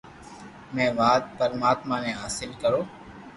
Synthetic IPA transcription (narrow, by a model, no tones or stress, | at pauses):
mɛ̃ːʋaːt̪̚pəɾmaːt̪maːnẽːɦaːsɪlkəɾoː